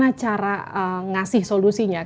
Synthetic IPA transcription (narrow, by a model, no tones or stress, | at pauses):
at͡ʃaɾaəŋasɪhsolusiɲa